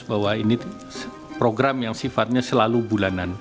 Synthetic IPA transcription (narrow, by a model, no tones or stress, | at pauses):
bawaini | pɾoɡɾamjaŋsifat̪̚ɲasəlalubulanan